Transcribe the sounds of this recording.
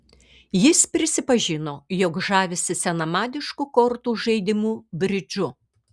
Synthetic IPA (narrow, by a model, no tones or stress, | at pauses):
jɪspʲɾʲɪsʲɪpɐʒʲɪnoːjɔkʒɑːʋʲɪsʲɪsʲɛnɐmɑːd̪ʲɪʃkukɔɾt̪uːʒɐɪd̪ʲɪmuːbʲɾʲɪd͡ʒʊ